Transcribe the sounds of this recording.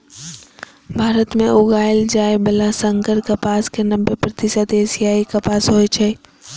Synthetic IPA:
bʱaːɾət̪mẽʔʊɡaːɪld͡ʒaːebəlasə̃ŋkəɾkɐpaːskenə̃mbəɾpɾət̪ɪsəd̪eːsijaːikɐpaːsɦoːet͡ʃʰe

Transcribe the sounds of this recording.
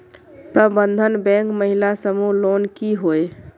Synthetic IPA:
pɾəbənd̪ʱənbɛ̃ŋkməɦilasəmulonkiɦoj

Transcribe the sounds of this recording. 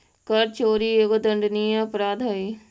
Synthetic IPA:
kɐɾt͡ʃoːɾieːɡod̪ə̃ɳɖniːẽɐpɾaːd̪ʱoi

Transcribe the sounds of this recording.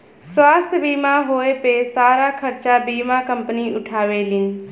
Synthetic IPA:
swaːst̪ʰbiːmãɦoːepesaːɾakʰəɾt͡ʃabiːmakɐ̃mpəniʊʈʰaːʋelɪn̆

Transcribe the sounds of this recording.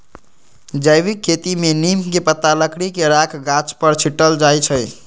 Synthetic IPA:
d͡ʒəjʋikʰːet̪imenimkepət̪ːaləkɽikeɾakʰɡat͡ʃpəɾt͡ʃʰiʈːəld͡ʒajt͡ʃʰəj

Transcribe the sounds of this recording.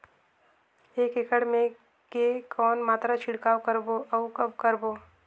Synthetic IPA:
eːkɪkəɽmẽ | kekʰɔːnmaːt̪ɾat͡ʃʰɪɽkaːwkəɾboʔɐukɐbkəɾboː

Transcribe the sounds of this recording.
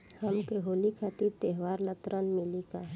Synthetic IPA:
hɐmkeɦoːlikʰaːt̪iɾt̪eɦʋaːɾlət̪ɾənmɪlika

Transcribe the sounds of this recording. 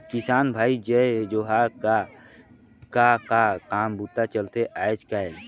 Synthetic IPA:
kɪsaːnbʱaːid͡ʒɛd͡ʒoːɦaka | kakakaːmbut̪ːat͡ʃəlt̪eʔaːet͡ʃkaɛ

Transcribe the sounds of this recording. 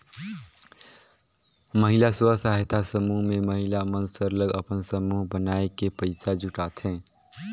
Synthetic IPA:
məɦilaswəsaɦet̪ʰasəmuɦmẽməɦilamənsəɾləɡəpənsəmuɦbənaːekepəɪsad͡ʒʱʊʈaːt̪ʰɛ̃ː

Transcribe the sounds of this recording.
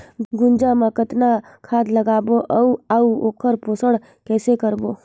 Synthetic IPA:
ɡʊ̃nd͡ʒaməkət̪na | kʰaːd̪ləɡaːboʔɐuauoːkʰəɾpoːsəɽ | kɛːsekəɾboː

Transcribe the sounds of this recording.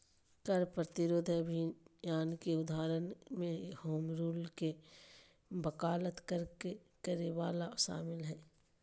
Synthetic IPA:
kɐɾpɾət̪ɪɾoːd̪ʱɐbʱinjaːnkeʊd̪ʱaːɾənmẽhoːmɾuːlke | bɐkaːlət̪kəɾke | kəɾeʋaːlaʃa̰ːmɪlɦɛː

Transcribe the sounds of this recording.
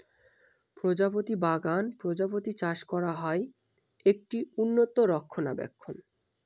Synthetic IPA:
pɾod͡ʑapot̪ibaɡanpɾod͡ʑapot̪it͡ɕaʃkɔɾaɦɔe | ek̚ʈiunːot̪oɾɔkʰːona̰bɛ̰kʰːon

